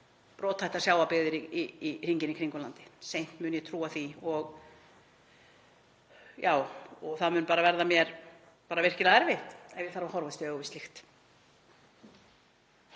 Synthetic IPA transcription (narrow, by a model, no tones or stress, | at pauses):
pɾɔːt̪ʰːajht̪asjaːwapɪðɪɾiiir̥iɲcɪnɪkʰɾiŋkʏlant̪ɪ̥sejn̥t̪mʏːnjɛt̪ʰɾuːaθiɔɣ | jaːwɔɣθaðmʏːnpaːɾavɛɾðamjɛɾ | paːɾavɪr̥cɪlaɛɾvɪht̪ɛnvɪðθaɾvahɔɾvast̪ɪœːɣʏvɪst̪lɪxt̪